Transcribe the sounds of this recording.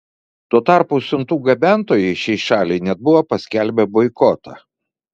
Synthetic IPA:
t̪uɔt̪ɑˑɾpʊsʲʊnt̪uːɡɐbʲæˑnˑt̪oːjɛɪʃʲɛɪʃɑːlʲɛɪnʲɛd̪̚bʊʋopɐsʲkʲælʲbʲɛbɔɪkɔt̪ɐ̰

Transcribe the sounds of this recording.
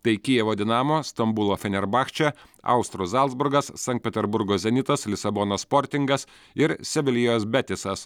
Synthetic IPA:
t̪ɐɪkʲijɛʋoːd̪ʲɪnɑːmoːst̪ɐmbulˠoːfʲɛnʲɛɾbɑːxt͡ʃʲɛ | ɐ̰ʊst̪ɾuzɑlˠdzbʊɾɡɐsːɐŋʲkt̪̚pʲɛt̪ʲɛɾbʊɾɡoːzʲɛnʲɪt̪ɐslʲɪsɐbɔːnoːspɔːɾʲt̪ʲɪŋɡɐs | ɪɾsʲɛʋʲɪlʲijoːsbʲɛt̪ʲɪsɐs

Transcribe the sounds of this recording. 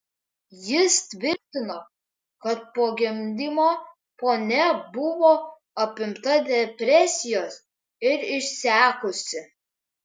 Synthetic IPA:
jɪst̪ʲʋʲɪɾʲt̪ʲɪnoː | kɐt̪̚poːɡʲɪmʲd̪ʲimoː | poːnʲɛbʊʋoː | ɐpʲɪmt̪ɐd̪ʲɛpʲɾʲɛsʲɪjoːs | ɪɾɪʃʲsʲæːkʊsʲɪ

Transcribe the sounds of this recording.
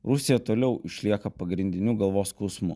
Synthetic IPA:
ɾʊsʲɪjɛt̪oːlʲɛʊʔɪʃʲlʲiɛkɐpɐɡɾʲɪnʲd̪ʲɪnʲuɡɐlˠʋoːskɔʊsmʊ̰

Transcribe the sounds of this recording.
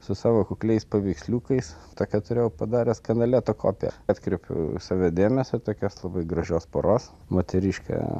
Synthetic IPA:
sʊsɑːʋoːkʊklʲɛɪspɐʋʲɛɪksʲlʲuːkɐɪst̪oːkʲɛt̪ʊɾʲeːjɛʊpɐd̪ɑːɾʲɛskɐnɐlʲeːt̪okʰo̰ːpʲɛ̰ɑːt̪ʲkɾʲɛpʲʊ̰sɑːʋʲɛd̪ʲeːmʲɛsʲot̪oːkʲoːslˠɐbɐɪɡɾɐʒʲoːspoːɾoːs | moːt̪ʲɛɾʲiːʃkɑ̰

